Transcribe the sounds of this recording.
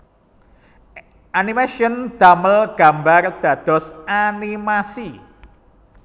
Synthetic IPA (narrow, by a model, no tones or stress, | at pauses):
ʔanimaʃiɔnd̪̥aməlɡ̥a̤mbard̪̥ä̤d̪̥ɔ̤sanimasi